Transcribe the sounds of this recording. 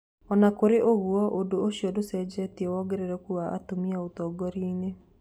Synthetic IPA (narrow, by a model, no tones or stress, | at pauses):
ɔnakoɾeʔoɣuɔʔodooɕiɔdosɛd͡ʒɛtiewɔɡɛɾeɾɛkuaʔa̰tomiaotɔɡɔɾiːne